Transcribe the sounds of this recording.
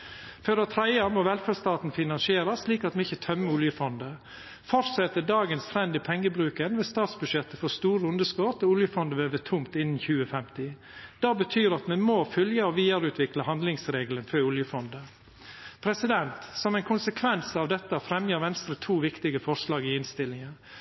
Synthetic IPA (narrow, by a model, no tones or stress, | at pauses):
fœɾət̪ʰɾæɪɑmoːʋɛlfæst̪ɑːt̪n̩fɪnɑnsɪeːɾəliːkɑt̪mɛɪçət̪ʰœmːəʊljəfɔnd̪ə | fɔɾt̪sɛt̪ədɑːɡənst̪ʰɾɛnd̪ɪpʰɛŋːəbɾʉːkənʋɛst̪ɑːt̪sbʉdʂɛt̪ːəfɔst̪uːɾəʊnd̪əskɔt̪ɔʊljəfɔnd̪əʋøːʋət̪ʰʊmt̪ɪnːn̩çʉːəfɛmt̪ɪ | d̪̥ɑːbət̪ʰyːɾɑt̪mɛnmoːfœljəɔʋiːəɾʉːt̪ʰʋɪkləhɑnd̪lɪŋsɾeːɡlənfœʊljəfɔnd̪ə | pʰɾɛsɪd̪ɛnt̪sɔmɛɪkʰʊnsəkʰʋɛnsɑʋd̪ɛt̪ːəfɾɛmjəɾʋɛnst̪ɾət̪ʰuːʋɪkt̪ɪɡəfɔɾslɑːɡɪɪnst̪ɪlːɪŋə